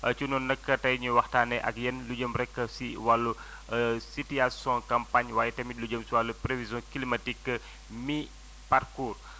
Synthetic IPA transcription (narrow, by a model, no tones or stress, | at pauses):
ət͡ʃunɔnːəkətaiɲəwaht̪aneʔa̰kijənlud͡ʒəmːəɾekəsiwalu | sitiasɔ̃kampaɲwajtəmid̚lud͡ʒəmsiwalupɾefizɔ̃kilimatikə | mi | parkur